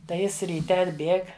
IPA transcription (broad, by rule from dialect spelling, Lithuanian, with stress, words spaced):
tɐɪ ˈjɪs rʲiːˈtʲɛ ɐdʲˈbʲeːk